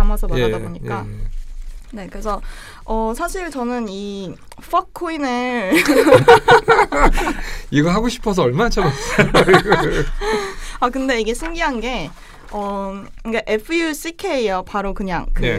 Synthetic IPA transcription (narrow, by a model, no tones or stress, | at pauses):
amasʰʌbaadaboɲik͈a̰ | ne̞kɯɾesʰʌ | ʌsʰaɕʰiɭt͡ɕʌnɯni | ɸʰʌk̚kʰːoineɭ | iɡʌɭɦaɡoɕʰi̥pʰʌs̬ʰʌʌɭmanat͡ɕʰʌmas͈ʌjiɡ | akɯnde̞iɡe̞sʰɯŋɡiɦanɡe̞ | ʌik͈aʔe̞pʰɯjus͈ʰikʰeiʌpaɾokɯɲa̰ŋkɯe